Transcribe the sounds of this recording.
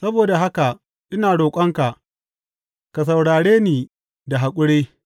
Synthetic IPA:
sɐ˦boː˨da˨ɦa˦ka˨ | ʔɪ˦naː˨ɽoː˨kʷʼɐ˦ŋka˨ʔ | ka˨s̬a˨wɽaː˨ɽeː˦niː˨ | da˨ɦa˨kʷʼʊ˦ɽeː˦

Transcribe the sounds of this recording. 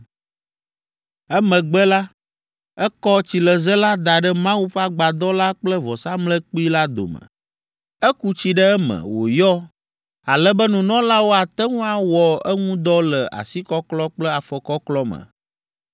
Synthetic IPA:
ɛ˦mə̃˨ɡ͡bɛ˦la˦ | ɛ˦kɔ˦t͡ɕi˨lə˨zɛ˦la˦d̪a˨ɖɛ˦mã˦wu˦ɸa˦ɡ͡ba˨d̪ɔ˦la˦k͡plə˦vɔ˨sa˦mlɛ˦k͡pi˦la˦d̪o̰˨mə̰̃˨ | ɛ˦ku˦t͡ɕi˦ɖə˦ɛ˦mɛ̰˨wo̰˨jɔ˦ | a˨lɛ˦bɛ˦nũ˨nɔ̃˦la˦wo˦a˨t̪ɛ˦ŋũ˦a˨wɔ˨ɛ˦ŋũ˦d̪ɔ˦lɛ˨ʔa̰˨si˦kɔ˦klɔ˦k͡plɛ˦a˨fɔ˨kɔ˦klɔ˦mə̰˨

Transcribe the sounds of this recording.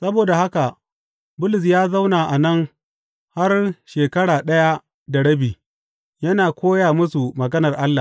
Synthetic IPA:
sɐ˦boː˨da˨ha˦ka˨ | bʊ˦lʊ˨s̬jaː˦za˦wnaː˨ʔa˨nɐ˦ŋ | ha˦rʃeː˨kɐ˦ɽaː˨ɗɐ˦ja˦ | da˨ɽɐ˦biː˨ | jɐ˦naː˨kʷʰoː˦jaː˨mʊ˦su˨mɐ˨ɡɐ˦nɐ˨rʔa˦lːa˨

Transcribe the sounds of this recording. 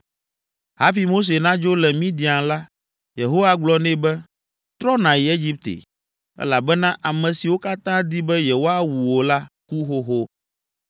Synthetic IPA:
ɦa˦fi˨mo˦s̬e˨nã˦d͡ʒo˦lɛ˨mĩ˦d̪i˨a˨ŋla˦ | je˨ɦo˦wa˨ɡ͡blɔ˦nɛ̃˦bɛ˦ | t̪ɾɔ˦nã˨je˦d͡ʒi˦p̚t̪ḛ˨ | ɛ̰˦la˨bɛ˦nã˦ʔa˨mɛ̃˨si˨wo˦ka˦t̪ã˦d̪i˦bɛ˦je˨ɦo˦a˦wu˨wo˨la˦ku˦ɦo˦ɦo˦

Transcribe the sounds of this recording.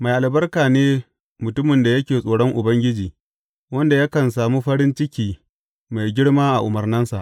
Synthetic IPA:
ma˨jʔa˨lbɐ˦rkaː˨neː˦ | mʊ˨tʊ˦mɪ˨nda˨jɐ˦kʲeː˨sʼoː˨ɽɔ˦ŋʔʊ˨bɐ˦ŋɡʲɪ˦d͡ʒiː˨ | wɐ˦nda˨ja˦kɐ˨nsaː˨muː˦ɸɐ˦ɽɪ˦nt͡ʃɪ˦kʲiː˨ | ma˨jɡʲɪ˦ɽmaː˦ʔa˨ʔʊ˨mɐ˨rnɐ˦nsa̰˨ʔ

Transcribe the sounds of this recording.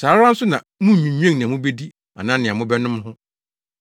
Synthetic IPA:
saː˨˦ɾã˦n̩˦sʊ˦nã˨mũ˦˨ɲᶣũ˨ɲᶣ˦ẽ˦ŋ˨nɪ̃˨mũ˦be˦di˦ | a̰˨nã˦nɪ̃˨a˨mʊ̃˦bɛ˦nʊ̃˦mhʊ̃˦

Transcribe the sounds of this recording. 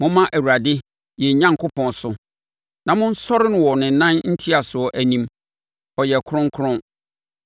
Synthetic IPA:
mʊ̃˦mã˦ʔæ˨wu˨ɾa˨dɪ˦ | jɛ˨ɲã˦ŋkʰʊ˦pʰɔ̃˨nsʊ˨ | nã˨mʊ̃˦n̩˦sɔ˦ɾɪ˦nʊ̃˨wɔ˨nɪ̃˨nã˦nn̩˦tʰi˦a˨sʊ˨ɔ˨ʔæ˨nĩ˨m | ɔ˨jɛ˨kʰʊ˦ɾʊ̃˦ŋ˦kʰɾʊ̃˦

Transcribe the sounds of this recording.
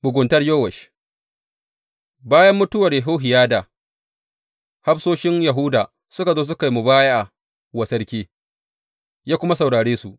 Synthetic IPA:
mʊ˨ɡʷʊ˨ntɐ˦rjoː˦wɐ˨ʃ | baː˦jɐ˦mːʊ˦tʊ˦wɐ˨rja˨ɦoː˦ɦɪ˨jaː˦daː˨ | ha˦ɸsoː˦ʃɪ˦nja˨ɦʊ˦daː˨ | sʊ˦ka˨zoː˦s̬ʊ˦ka˨jmu˨baː˦ja˦ʔa˨ | wɐ˨sɐ˦rkʲiː˦ | jaː˦kʷʊ˦ma˦s̬ɐ˨wɽaː˨ɽeː˦su˨ʔ

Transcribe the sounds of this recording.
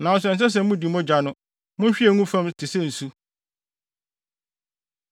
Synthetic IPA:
nã˨ɔ˨s̬ɛ̃˨n˨s̬ɛ˦s̬ɛ˦mũ˦di˨mɔ̃˦d͡ʑa˨nʊ̃˦ | mʊ̃˦n˦ɕᶣi˦ɛ˨ŋũ˦fã˦mtʰɪ˨sɛ˦n̩˨su˦

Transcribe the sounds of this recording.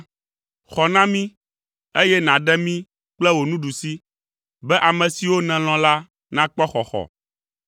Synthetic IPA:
xɔ˨nã˦mĩ˦ | e˦jɛ˦nã˨ɖɛ˦mĩ˦ | k͡plɛ˦wo˨nũ˦ɖu˨si˦ | bɛ˦ʔa˨mɛ̃˨si˨wo˦nɛ̃˨l̃ɔ̃˨la˦ | nã˦k͡pɔ˦xɔ˨xɔ̰˨

